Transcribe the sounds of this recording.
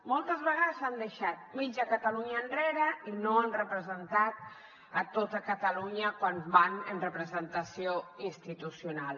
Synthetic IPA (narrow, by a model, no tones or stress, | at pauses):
molˠt̪əzβəɣaðəzand̪əʃat̪̚mid͡ʒəkət̪əluɲəːnreɾəinoanrəpɾəzənt̪at̪ | ət̪ot̪əkət̪əluɲəkwanbanənrəpɾəzənt̪əsioinst̪it̪usjunalˠ